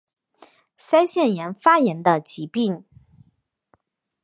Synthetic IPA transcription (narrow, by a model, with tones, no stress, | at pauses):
sa˥ɪɕjɛ˥˩njɛ˧˥nfa˥jɛ˧˥nd̪ə˧t͡ɕi˧˥pi˥˩ŋ